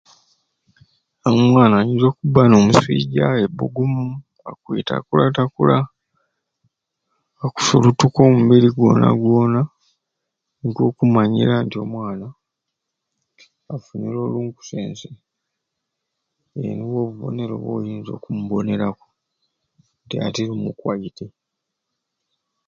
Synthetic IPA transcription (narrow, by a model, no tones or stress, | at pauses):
omwaːnajiːnzo̞ːkubano̞ːmuswḭːɟaebuɡumu | akwita̰kulatakula | ku̥solutuko̞ːmumbiliɡwo̞̰ːna̰ɡwo̞ːna | ŋko̞ːkumaɲḭɾantio̞mwaːna | afuɲilo̞ːluːŋku̥seːnse | ḛniwo̞ːβuβo̞̰ne̞ɾo̞̰βo̰ːjiːnzo̞ːkumubo̞ne̞ɾaku̥ | ntia̰tilumukwaite